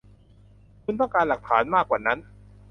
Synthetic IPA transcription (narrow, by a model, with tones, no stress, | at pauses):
kʰu˧nt̪ɔ˥˩ŋkaː˧nla˨˩k̚t̪ʰaː˩˦nmaː˥˩kwaː˨˩na˦˥n